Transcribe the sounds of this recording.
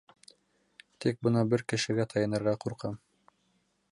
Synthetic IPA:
t̪ik̚bɤ̆nɑbɘɾkɘ̆ʃɘ̆ɡæt̪ʰɑjɤ̆nɤ̆ɾʁɑquɾqɑm

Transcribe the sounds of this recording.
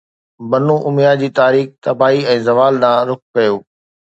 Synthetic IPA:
bɐnũʔʊmjad͡ʑiːt̪aːɾiːkt̪ɐbaːiɛ̃ːzɐʋaːlɗ̪ãːɾʊk̚kɐjoː

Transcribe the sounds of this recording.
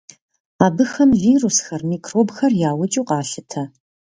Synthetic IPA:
aːbɨxɐmviːrusxɐrmiːkʰroːbxɐrjaːwʊt͡ʃʼuːqɑːɬɨtʰɐ

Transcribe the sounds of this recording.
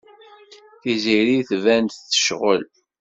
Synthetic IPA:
θiziɾiθvænt̪θə̥ʃʁə̰l

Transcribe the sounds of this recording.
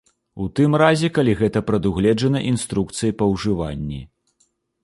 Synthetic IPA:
ut̪ɨmrazʲɛkalʲiɣɛt̪ɐpɾɐd̪uɣlʲɛd͡ʐɐnɐʔinst̪ɾuk̚t̪sɨjɐpɐwʐɨva̰nʲːi

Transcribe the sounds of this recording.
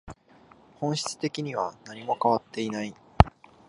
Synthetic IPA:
hõ̞ɰ̃ɕi̥t͡sɨ̥t̪e̞kʲiɲ̟iβanaɲ̟imo̞kaβat̪ːe̞inai

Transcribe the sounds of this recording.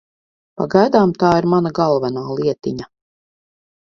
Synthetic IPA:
paɡajd̪aːmt̪aːiɾmanaɡalˠvanaːlˠiɛt̪ḭɲa

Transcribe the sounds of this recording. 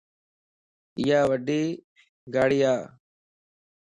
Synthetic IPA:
ɪjaːʋəɖiː | ɡaːɽɪjaː

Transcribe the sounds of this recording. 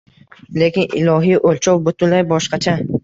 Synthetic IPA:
le̞kʲɪnɪlɒɦijʔolt͡ʃʰɒwbot̪ʊnlajbɒʃqɑt͡ʃʰa

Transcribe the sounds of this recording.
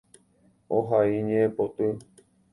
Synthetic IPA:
oɦaiɲẽẽpot̪ɨ

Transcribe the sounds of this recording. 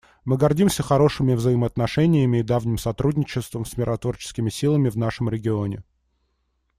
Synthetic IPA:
mɨɡɐrdʲimsʲəxɐɾo̞ʂɨmʲɪvzəɪməɐt̪nɐʂɛnʲɪjəmʲɪːd̪avnʲɪmsɐt̪ɾudʲnʲɪt͡ɕɪst̪vəmsmʲɪɾʔɐt̪vo̞rt͡ɕɪ̥skʲɪmʲɪsʲilˠəmʲɪvnaʂɨmɾʲɪɡʲɪo̞nʲɪ

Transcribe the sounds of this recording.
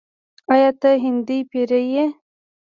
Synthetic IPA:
ɑjɑt̪aɦɪnd̪ijpeɾeje

